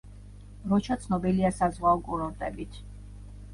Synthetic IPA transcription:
ɾɔt͡ʃʰat̪sʰnɔbiliasazʁwaɔkʼuɾɔɾt̪ʼɛbit̪ʰ

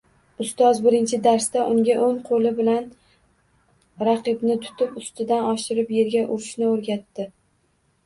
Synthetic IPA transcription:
ʊst̪ɒzbɪɾɪnt͡ʃʰɪd̪aɾst̪aʔʊŋɡʲaʔoŋqʰolɪbɪlan | ɾɑqɨbnɪt̪ʰʊ̥t̪ʰɪpʊst̪ɪd̪anɒʃɪɾɪpje̞ɾɡʲaʔʊɾɪʃnɪoɾɡʲat̪ːɪ

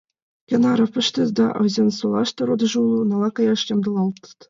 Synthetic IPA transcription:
kʲĕnɑɾɤ̆fpɤ̆ʃt̪ʲezd̪ɑ̰ʔɤ̰zensulˠɑʂt̪ɤ̆ɾod̪ɤ̆ʐɤulˠunɑlˠɑkɑjɑʂt͡ɕemd̪ɤ̆lˠɑlˠt̪ɤ̥t̪

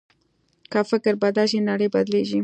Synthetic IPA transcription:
kafɪkɪɾbad̪aʃinaɽəjbad̪leʒi

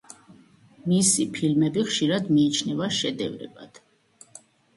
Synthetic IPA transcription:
misipʰilmɛbiχʃiɾad̪miːt͡ʃʰnɛvaʃɛd̪ɛ̰vɾɛ̰ba̰d̪̥

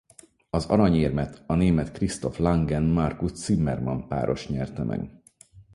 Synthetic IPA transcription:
ɒzɒ̰ɾɒɲeːrmɛt̪ʰɒneːmɛt̪krist̪o̞flaŋɡɛnmɒrkust̪simːɛrmɒmpa̰ːɾo̞ʃɲɛrt̪ɛmʔɛ̰ɡ̥

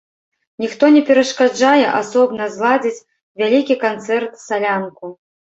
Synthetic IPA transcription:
nʲixt̪ɔnʲɛpʲɛɾɐʂkad͡ʐajɛʔasɔbnɐzlˠad͡zʲit͡sʲ | vʲalʲikʲikant̪sɛrt̪salʲanku

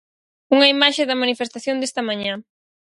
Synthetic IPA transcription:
uŋɐimaʃeðɐmanifest̪aθjond̪est̪ɐmaɲã

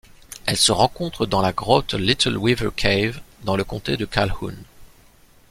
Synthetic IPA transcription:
ɛlsəʁɑ̃kɔ̃t̪χəd̪ɑ̃laɡʁɔt̪lit̪əlwivə̰kʰejvd̪ɑ̃ləkɔ̃t̪ed̪əkʰalhṵn

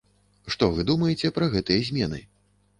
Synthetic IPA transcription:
ʂt̪ɔvɨd̪umɐjɛt͡sʲɛpɾɐɣɛt̪ɨjɛzʲmʲɛnɨ̰

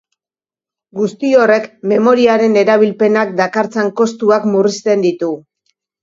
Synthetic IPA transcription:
ɡust̪io̞re̞kme̞mo̞ɾiaɾe̞ne̞ɾaβ̞ilpe̞nak̚d̪akaɾt͡saŋko̞st̪uakmurist̪e̞nd̪it̪u

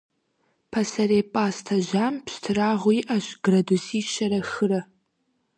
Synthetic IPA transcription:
pʰɐsɐɾeːpʼaːstʰɐʑaːmpstʰɨraːʁʷʊjiʔɐɕɡrɐdusiːʃɐɾɐxɨrɐ

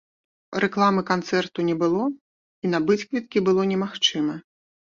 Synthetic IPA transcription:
rʔɛklˠamɨkant̪sɛrt̪unʲɛbɨlˠɔ | inɐbɨt͡sʲkvʲit̪̚kʲibɨlˠɔnʲɛmaxt͡ʂɨmɐ

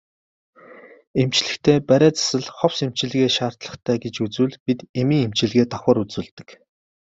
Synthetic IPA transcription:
em̥t͡ɕɮɘ̆xkt̪ʰeːpæɾʲæːt͡sḁsə̆ɮχɔwsem̥t͡ɕɪ̆ɮɣeːʃaːr̥t̪ɮə̆χt̪ʰæːɡet͡ɕut͡sŭːɮpit̪emiːŋemt͡ɕɪ̆ɮɣeːt̪ʰɔχɔ̆ːɾut͡sŭːɮt̪ɘ̆k

